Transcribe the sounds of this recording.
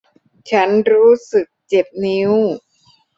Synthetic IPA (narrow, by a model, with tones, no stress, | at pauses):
t͡ɕʰa˦˥nɾuː˦˥sɯ˨˩k̚t͡ɕe˨˩p̚ni˦˥w